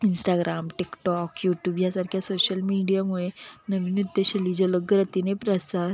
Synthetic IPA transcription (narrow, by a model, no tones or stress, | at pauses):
insʈaɡɾʔamʈikʈɔkjuʈjuːbjasaɾkʰjasoɕəlmiɽijamuɭenəʋinid̪jəɕəlid͡ʑələɡːəɾət̪inepɾəsaɾ